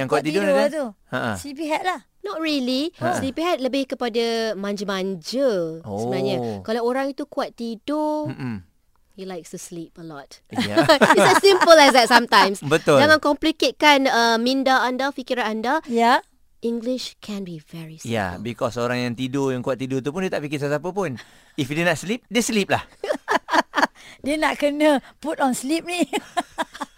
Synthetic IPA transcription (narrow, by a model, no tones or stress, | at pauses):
jaŋkuat̪̚t̪ːidoaat̪uəʔə̃sipiɦɛt̚lah | nɔt̚ɹilislipiɦat̪̚ləbɪhkəpadamãɲd͡ʒəmãɲd͡ʒəosəbənaɲakalawoɾaŋit̪ukuat̪ːido | hilaɪjkstuslipəlɔt̚ | iɛsĩmpəlɛs̬d̪ɛt̚sãmt̪ãjmsbət̪ʊld͡ʒaŋãnkɔmpliket̪̚kanəmĩndaãndafikiɾaandaja | ĩŋɡliʃkʰɛ̃nbivɛɹisja̰bikɔsoɾaŋjaŋt̪idojaŋkuat̪̚ːidot̪̬upundiət̪aʔpikɪs̬asapəpun | ifjidinaʔslip̚diəslip̚lah | diənaʔkənəputɔ̃nslip̚nĩ